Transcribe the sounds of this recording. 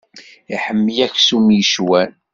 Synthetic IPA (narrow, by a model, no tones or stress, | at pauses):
iħəmːjæçsumjəʃwæn